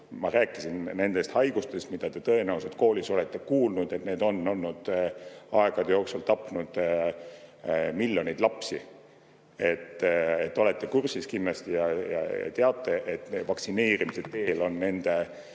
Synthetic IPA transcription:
mɑɾæːkːˑisinne̞nd̪̥e̞st̪hɑjɡ̥ust̪e̞st̪mid̪̥ɑt̪e̞t̪ɤ̞e̞næwsed̪̥̚ko̞ːliso̞le̞t̪ːˑe̞kuːlnud̪̥e̞t̪ne̞ːd̪o̞nːo̞lːud̪̥ɑe̞ɡ̥ɑd̪̥ejo̞ːksult̪ɑpːˑnud̪̥ | miljo̞nʲijd̪̥lɑpsi | e̞t̪ːet̪ːo̞le̞t̪ːe̞kursiskinːlɑst̪ijɑjɑ̰jɑ̰t̪eɑt̪ːˑe̞ʔet̪ːevɑksine̞ːɾimiset̪ːe̞lo̞nːe̞nd̪̥e̞

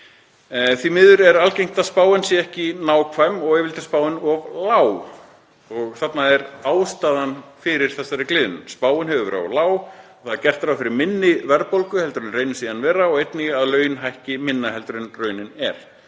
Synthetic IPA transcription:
θvimɪːðʏɾɛɾalcejŋ̥t̪aspaːwɪnsjɛɛhcɪnaːwkʰvajmːɔɣɛvɪlt̪ɪ̥spaːwɪnɔvlaːw | ɔɣθat̪naɛɾaːwst̪aːðanfɪɾɪɾ̥θɛsaɾɪklɪːðʏnʏmspaːwɪnɦɛvʏvɛ̰ɾa̰laːwɔ̥θaðaɾcɛr̥t̪ɾawfɪɾɪɾmɪnːɪvɛɾpolkʏhɛlt̪ɾʏɪnrejnɪsiːðanvɛːɾaɔɣejt̪nɪaðlœːɥnɦajhcɪmɪnːaɦɛlt̪ɾʏnrœːɥnɪnɛɾ̥

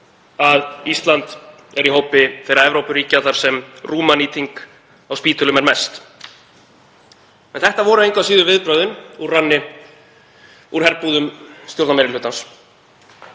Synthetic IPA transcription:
aðist̪lant̪ | ɛɾiɦowpɪfɛɾaɾɛvɾowpʏɾiːcaθaɾ̥sɛmruːmaniːt̪iŋk | awspiːt̪ʏlʏmɛɾmɛst̪ | ɛnθɛht̪avɔːɾʏejŋkvasiːðʏɾvɪðpɾœːɥðʏnuɾranːɪ | uɾ̥hɛɾpuːðʏmst̪jowɾt̪nmɛɾɪlʏːt̪ans

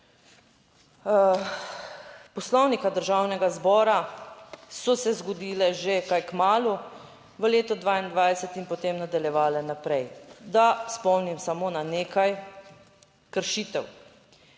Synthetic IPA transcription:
pɔslɔwnikad̪əɾʒawnɛɡazbɔːɾa | sɔsɛzɡɔd̪iːlɛʒekajkmaːlu | ʋəleːt̪ɔd̪ʋaːind̪ʋajsɛt̪inpɔt̪emnad̪aljɛʋaːlɛnapɾɛjd̪aspɔwnimsamoːnaneːkaj | kəɾʃiːt̪ɛw

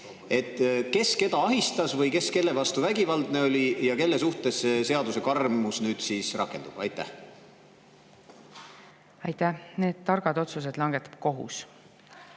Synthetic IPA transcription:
e̞t̪ːke̞ske̞d̪̥ɑɑɦist̪ɑsvɤjke̞ske̞lːe̞vɑst̪uvæɡivɑld̪ne̞o̞lʲijɑke̞lːesuht̪e̞sːe̞seɑd̪use̞kɑrmusnyːd̪siːsrɑkːe̞nd̪̥ub̥ɑ̰jt̪ːˑæ̰h | ɑjt̪ːæhne̞ːd̪̥t̪ɑrɡ̥ɑd̪o̞t̪sus̬ed̪lɑŋɡ̥et̪ːˑɑ̥b̥ko̞ɦṵs

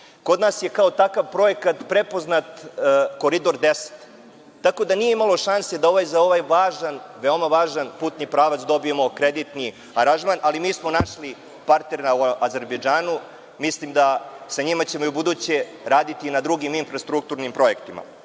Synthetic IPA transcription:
ko̞d̪naːsje̞kao̞t̪akaʋpɾo̞e̞kat̪pɾepo̞znat̪ːko̞ɾid̪o̞ɾd̪ese̥t̪ː | ako̞d̪anijeimalˠo̞ʃansed̪ao̞ʋajzao̞ʋajʋaːʒanʋeomaʋaːʒanpuːt̪nipɾaːʋat̪sd̪o̞bie̞mo̞kɾed̪it̪ni | aɾaʒmanʔalimiːsmo̞naʃli | paɾt̪ne̞ɾmauʔaze̞ɾbed͡ʒaːnu | mislimd̪asaɲimat͡ɕe̞mojubud̪uːt͡ɕe | ɾaːd̪it̪inad̪ɾuɡiminfɾast̪ɾuk̚t̪uɾnimpɾo̞je̞kt̪ima̰

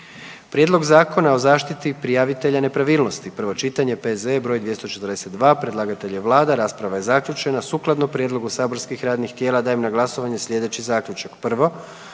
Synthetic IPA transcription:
pɾje̞d̪lˠo̞ɡzaːko̞nao̞zaːʃt̪it̪ipɾijaʋit̪e̞ʎane̞pɾaʋiːlˠno̞st̪ipr̩ʋo̞t͡ʃit̪aɲepezebɾo̞ːjd̪ʋje̞st̪o̞t͡ʃet̪ərd̪ese̞t̪d̪ʋaːpɾed̪lˠaːɡat̪e̞ʎeʋlˠaːd̪aɾaːspɾaʋajezakʎʲut͡ʃe̞nasuːklˠad̪nopɾjed̪lˠo̞ɡusaːbo̞ɾskixɾaːd̪nixt̪jeːlˠad̪aːemnaɡlˠaso̞ʋaɲe̞sʎʲe̞d̪et͡ɕizaːkʎut͡ʃakpr̩ʋo̞

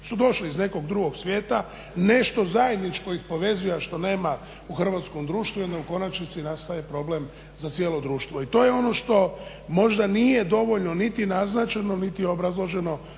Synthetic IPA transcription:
sud̪o̞ʃliizne̞ko̞ɡd̪ɾuɡo̞ɡsʋjeːt̪a | ne̞ʃt̪o̞zaje̞d̪nit͡ʃko̞ixpo̞ʋe̞zujeʃt̪o̞ne̞ːma | uxr̩ʋat̪sko̞md̪ɾuːʃt̪ʋujo̞nd̪auko̞nat͡ʃnit̪sinast̪ajepɾo̞ble̞m | zat̪sjeːlo̞d̪ɾuːʃt̪ʋoit̪o̞ːjeo̞no̞ʃt̪o̞ | mo̞ʒd̪anijed̪o̞ʋoʎno̞nit̪inaznat͡ʃeno̞nit̪ijeobɾazlˠo̞ʒe̞no̞

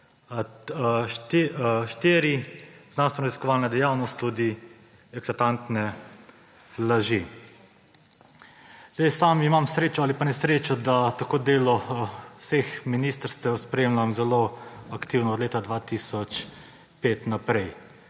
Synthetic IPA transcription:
ʃt̪ʃt̪eːɾiznanst̪ʋɛnɔɾaziskɔʋaːlnad̪ɛjaːwnɔst̪ːud̪i | ɛklat̪ant̪nɛ | laʒi | z̥d̪ɛjsaːmimamsɾeːt͡ʃɔalipanɛsɾeːt͡ʃɔd̪at̪akoːd̪eːlɔsexminist̪əɾst̪ɛwspɾɛeːmlamzɛloakt̪iwnɔːd̪leːt̪ad̪ʋaːt̪isɔt͡ʃ | peːt̪napɾɛj

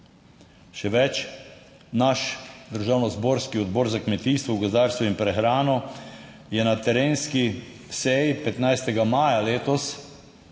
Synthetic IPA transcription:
ʃɛʋɛt͡ʃ | naʃd̪əɾʒaːwnɔzbɔːɾskiɔd̪bɔːɾzakmɛt̪iːst̪ʋɔɡɔzd̪aɾst̪ʋɔinpɾɛxɾaːnɔ | jɛnat̪ɛɾeːnski | sɛjipɛt̪najst̪ɛɡamaːjaleːt̪ɔs

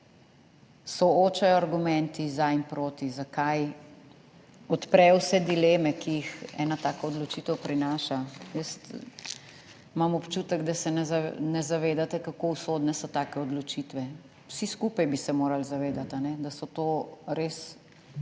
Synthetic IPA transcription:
sɔoːt͡ʃajɔaɾɡumɛnt̪izaimpɾoːt̪izakaj | ɔt̪pɾɛwsɛd̪ileːmɛkijixɛ̰ːnat̪aːkɔɔd̪lɔt͡ʃit̪əwpɾinaːʃajəst̪ | mamɔpt͡ʃut̪əɡd̪asɛnɛznɛzaʋeːd̪at̪ɛkakousoːd̪nɛsɔt̪aːkɛɔd̪lɔt͡ʃit̪ʋɛ | wsiskupajbisɛmoːɾalzaʋeːd̪at̪anɛd̪asɔt̪oːɾes

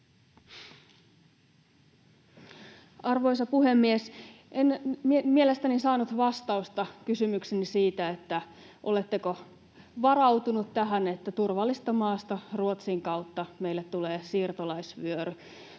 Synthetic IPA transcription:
ɑrʋo̞jsɑpuɦe̞mːies | ʔenmielest̪ænisɑːnut̪ʋɑst̪ɑust̪ɑkysymyksenisiːt̪æet̪ːæ | ʔo̞let̪ːeko | ʋɑrɑwt̪unut̪tæɦænet̪ːæt̪urʋɑlːist̪ɑmɑːst̪ɑruot̪siŋkɑwt̪ːɑme̞ilːet̪t̪ːuleːsiːrt̪olɑisʋyøɾy

